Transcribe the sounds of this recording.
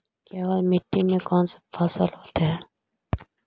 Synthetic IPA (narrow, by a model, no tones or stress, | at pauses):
kaːʋalmɪʈ̪ːimẽkɔːnse̥fʰaːsəlɦoːt̪eɦɛː